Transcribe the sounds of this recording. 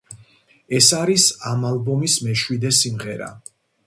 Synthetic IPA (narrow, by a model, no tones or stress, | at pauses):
ɛsaɾisamalˠbɔmismɛʃwid̪ɛsimʁɛɾa̰